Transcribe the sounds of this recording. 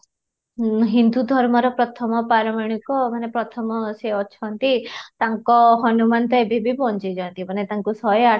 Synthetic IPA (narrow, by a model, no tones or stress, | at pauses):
ɦind̪ud̪ʱɔɾmɔɾɔpɾɔt̪ʰɔmɔpaɾɔmeɽ̃ikɔmanepɾɔt̪ʰɔmɔseɔt͡ʃʰɔnt̪it̪aŋkɔɦɔnumant̪ɔebʱibʱibɔnt͡ʃid͡ʒɔnt̪imanet̪aŋkusɔja